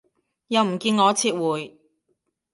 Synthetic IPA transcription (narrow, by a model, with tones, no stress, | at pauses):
jɐ˨˧wm̩˨˩kiː˧nŋɔː˨˧t͡sʰiː˧t̚wuː˨j